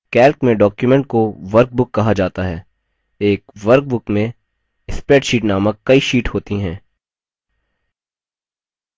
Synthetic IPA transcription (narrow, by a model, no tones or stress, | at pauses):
kɛːlkmẽɖɔːkjumɛ̃ɳʈ̚koʋɐɾk̚bʊkːɐɦad͡ʒaːt̪aɦɛː | eːkʋɐɾk̚bʊkmẽ | ɪspɾeːʈʃiːʈnaːməkːɐiʃiːʈhoːt̪iɦɛ̃ː